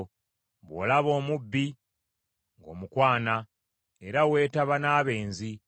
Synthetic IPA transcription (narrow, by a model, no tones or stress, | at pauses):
βwo̰ːlaβo̞ːmubːi | ŋɡo̞̰ːmukwaːna | eɾawe̞ːtaβanaːβe̞ːnzi